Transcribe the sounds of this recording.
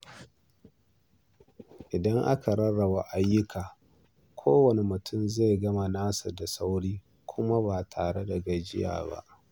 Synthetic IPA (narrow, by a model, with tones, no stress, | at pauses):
ʔɪ˨dɐ˦ŋʔa˦ka˨ɾɐ˦ɽa˨wa˨ʔa˦jːʊ˦kʰaː˨ | kʷʰoː˦wɐ˨ne˨mʊ˨tʰʊ˦mze˦˨jɡɐ˦ma˨naː˦su˨da˨sa˦wɽiː˦ | kʷʰʊ˦ma˦ba˨tʰaː˨ɽe˦da˨ɡɐ˨d͡ʒɪ̰˦ja̰ː˨ba̰˦ʔ